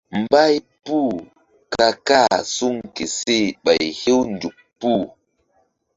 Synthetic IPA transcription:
m˨ba˦j | pu˦˨ | ka˧ka˦˨su˦ŋke˨se˦˨ɓa˨jhe˦wndu˨k̚pːu˦˨

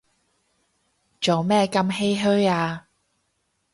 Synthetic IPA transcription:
t͡ʃo˨wmɛː˥˩kɐ˨˧mɦe˥jɦɵ˥aː˧

